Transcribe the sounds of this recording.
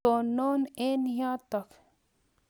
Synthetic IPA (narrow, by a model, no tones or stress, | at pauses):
oːnoːneːnjãːt̪ɐk